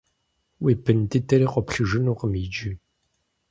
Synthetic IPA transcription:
wiːpʰɨntɨtʰɐɾiːqʷɔpɬɨʐɨnuːqəmid͡ʒi

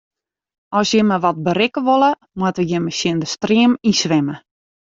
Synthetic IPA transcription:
ʔɔsjəməʋɔt̚bəɾɪkəʋolˠə | mwətəjəməsjɪndəstriəmisʋɛmə

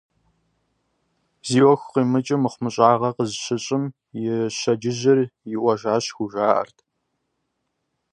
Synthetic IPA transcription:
ziːwɔxʷqiːmɨt͡ʃʼɪmɨχʷmɨɕʼaːʁɐqəzɕɪɕʼɪm | jɪɕɐd͡ʒɪʑɪrjɪʔʷɐʒaːɕxuʒʷaːʔɐ̰rtʰ

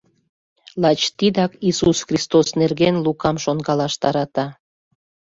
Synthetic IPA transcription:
lɑt͡ɕt̪id̪ɑkisusxrʲist̪osnerɣenlukɑmʃonkɑlɑʃt̪ɑɾɑt̪ɑ

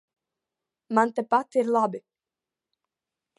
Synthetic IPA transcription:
mant̪ɛpat̪ɪɾlaːbʏ

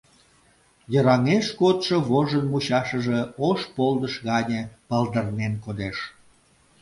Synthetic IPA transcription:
jəɾɑŋeʃkot̪ʃoβoʒənmuɕɑʃəʒeoʃpold̪əʃɣɑnʲəpɑld̪ərnenkod̪eʃ

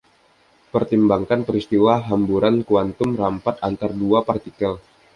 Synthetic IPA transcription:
pərt̪imbaŋkanpəɾist̪iwaɦambuɾankuant̪ʊmrampat̪̚ant̪arduapart̪ikəl

